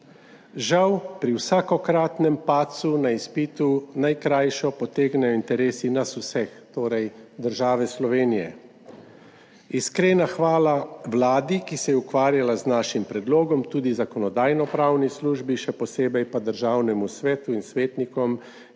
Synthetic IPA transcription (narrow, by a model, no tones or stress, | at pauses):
ʒawpɾiwsaːkɔkɾaːt̪nɛmpaːt̪sunaispiːt̪unajkɾaːjʃɔpɔt̪eːɡnɛjɔint̪ɛɾeːsinasusɛxt̪oːɾɛjd̪əɾʒaːʋɛslɔʋeːnijɛ̰ | iskɾeːnaxʋaːlaʋlaːd̪ikisɛjɛukʋaːɾjalaznaːʃimpɾɛd̪loːɡɔmt̪uːd̪izakɔnɔd̪aːjnɔpɾaːwnisluːʒbiʃɛpɔseːbɛjpad̪əɾʒaːwnɛmusʋɛːt̪uinsʋeːt̪nikɔm